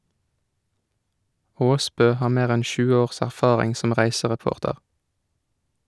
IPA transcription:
ˈoːˌspøː ˈhɑːʁ ˈmeːʁ ˈɛn ˈçʉːə ˈoːʁs æʁˈfɑːʁɪŋ ˈsɔm ˈʁæɪsəʁɛˌpoːʁtəʁ

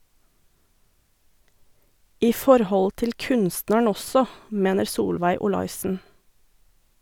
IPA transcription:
ˈiː ˈfɔɾˌhɔl ˈtɪl ˈkʉnsnəɳ ˈɔsɔ ˈmeːnəɾ ˈsuːlʋæɪ ʊˈlɑɪsn̩

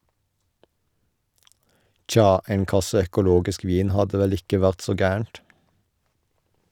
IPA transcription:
ˈt͡ʃɑː ˈeːŋ ˈkɑsə œkʊˈloːɡɪsk ˈʋiːn ˈhɑdə ˈʋɛl ˈɪkə ˈʋæʁt ˈsoː ˈɡæːəɳt

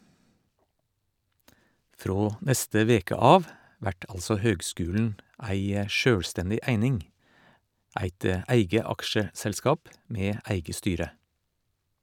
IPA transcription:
ˈfɾoː ˈnɛstə ˈʋeːkə ˈɑːʋ ˈʋæʈ ˈɑlsɔ ˈhøːɡˌskʉːln̩ ˈæɪ ə ˈʃøːɽˌstɛndɪ ˈæɪnɪŋ ˈæɪt ə ˈæɪɡə ˈɑkʃəsɛlˌskɑːp ˈmeː ˈæɪɡə ˈstyːɾə

